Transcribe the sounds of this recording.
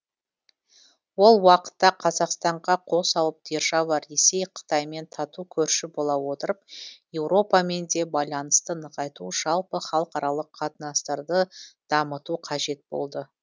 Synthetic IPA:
wo̞lˠwɑqə̥t̪ːɑqʰɑzɑqst̪ɑɴʁɑqʰo̞sɑw̪ˠəp̚d̪̥e̞ɾʒɑwɑe̞se̞jqʰə̥t̪ɑjme̞nt̪ʰɑt̪ukʲʰɵɾʃɪbo̞lˠɑwo̞t̪əɾəp̚je̞wɾo̞pɑme̞nd̪e̞bɑjlˠɑnəst̪ənəʁɑjt̪uʒɑlˠpəχɑlˠqɑɾɑlˠəqʰːɑt̪ənɑst̪ɑɾd̪əd̪̥ɑmət̪uqʰɑʒe̞t̪̚b̥o̞̰lˠd̪ə

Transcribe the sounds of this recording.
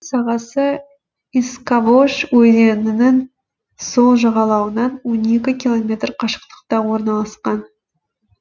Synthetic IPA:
sɑʁɑsə | iskavoʃwɵd̪e̞nɪnɪŋ | so̞lˠʒɑʁɑlˠɑwənɑnwo̞ne̞kʲɪkʲilˠo̞mʲe̞t̪rqʰɑʃə̥qt̪ə̥q̚t̪ɑwo̞ɾnɑlˠɑsqɑn

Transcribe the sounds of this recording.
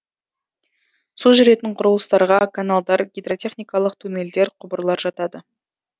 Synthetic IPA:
suʒʏɾe̞t̪ɪɴqʰʊɾəlˠəst̪ɑɾʁɑkʰanalˠd̪ɑɾɡʲijd̪ro̞t̪ʲe̞χnʲijkɑlˠəqt̪ʰune̞ld̪e̞ɾqʰʊbəɾlˠɑɾʒɑt̪ɑd̪ə

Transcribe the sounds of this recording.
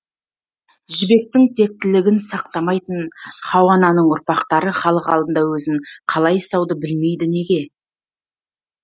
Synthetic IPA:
ʒɪbe̞k̚t̪ɪŋt̪ʰe̞k̚t̪ɪlɪɡʲɪnsɑq̚t̪ɑmɑjt̪ənχɑwɑnɑnəɴʊɾpɑqt̪ɑɾəχɑlˠəqɑlˠd̪ənd̪ɑwɵzɪŋqʰɑlˠɑjst̪ɑwd̪əbɪlme̞jd̪ɪne̞ɡʲe̞

